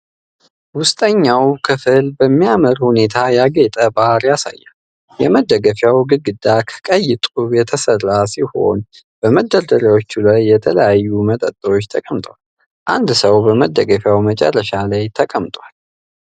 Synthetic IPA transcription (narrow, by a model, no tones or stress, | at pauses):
wʊst̪ʼəɲːawkʰɨfɨlbəmːijaməɾhune̞t̪ʰajaɡet̪ʼəbaɾjasa̰jːa | jɛməd̪ːəɡəfjawɡɨɡɨd̪akʰə̥kʼəjːɪt̪ʼujɛt̪ʰəsərːasiho̞̰n | b̥əməd̪ːəɾd̪əɾjawot͡ʃːulajːɛt̪ʰələjajːumət̪ʼət̪ʼːəot͡ʃːt̪ʰəkʼəmt̪ʼwal | ʔand̪səwbəməd̪ːəɡəfjawmət͡ʃʼɛ̰rːəʃalajt̪ʰəkʼəmt̪ʼwal